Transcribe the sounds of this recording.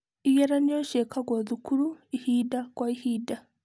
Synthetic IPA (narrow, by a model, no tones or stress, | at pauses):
ijeɾanoʃekʰaɡwaðikʰuɾuihidakwaihiːda